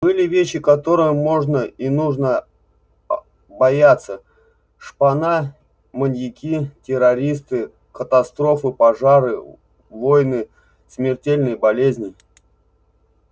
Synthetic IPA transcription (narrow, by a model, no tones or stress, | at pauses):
bɨlʲɪvʲeɕːɪkɐt̪o̞ɾɨjəmo̞ʐnəinuʐnə | bɐjat̪sːə | ʂpɐna | mənʲjɪkʲitʲɪɾɐɾʲis̬t̪ɨ | kət̪ɐst̪ɾo̞fɨpɐʐaɾɨ | vo̞jnɨ | smʲɪrtʲelʲnɨjbɐlʲezʲnʲɪ